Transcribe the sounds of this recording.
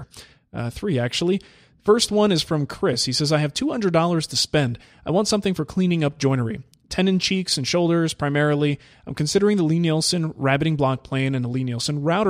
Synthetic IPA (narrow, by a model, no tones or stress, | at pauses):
θɹiæk̚t͡ʃul̩ˠi | fɜ˞st̚wʌ̃nɨz̥fɹʌ̃mkʰɹ̥ɪshisɛzaɪɨv̥tʰuhʌ̃ndɹədɔlˠə˞z̥tʰɨspɛ̃nd | ʔaɪwɑ̃ntsʌ̃mθɪ̃ŋfə˞kʰl̥ĩnɪ̃ŋʌp̚d̥ʒ̥ɔ̃ɪ̃nə˞i | tʰɛ̃nɨ̃nt͡ʃʰiksɨ̃nʃoʊlˠdə˞z̥pʰɹ̥aɪmɛɹl̩ˠi | ãɪ̃mkʰɨ̃nsɪɾə˞ɪ̃ŋðəlĩnɛlˠsɨ̃nɹæbɨɾɪ̃ŋblɑk̚pʰl̥ẽɪ̃nɨ̃nəlĩnɛlˠsɨ̃nɹaʊɾ